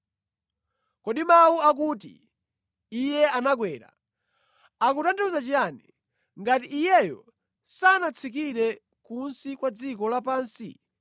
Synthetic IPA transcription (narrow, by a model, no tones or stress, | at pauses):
kɔɗimawuak̬uːt̬ḭ | ijɛanakwɛːɾa̰ | akutandɛuzat͡ʃijani | ŋɡatiʔːjɛjɔ̰ | sanat͡sʰikiɾɛ | kunsikwad͡zikɔlapaːnsḭ